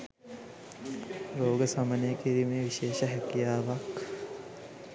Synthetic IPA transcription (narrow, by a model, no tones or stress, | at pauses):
ɾoːɡəsɐmɐnekiɾimẽʋiʃeːʃɐɦɐkijaːʋɐk